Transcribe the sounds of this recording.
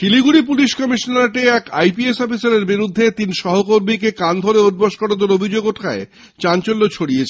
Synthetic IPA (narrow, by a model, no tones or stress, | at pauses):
kiliɡuɽipuliʃkɔmiʃonaɾʈeɛkajpiesɔfisaɾeɾbiɾud̪ʱːet̪inʃɔɦokoɾmikekand̪ʱoɾeod̪̚boʃkɔɽod̪oɾobʱid͡ʑoɡoʈʰae | t͡ɕant͡ɕolːot͡ɕʰoɽiet͡ɕʰe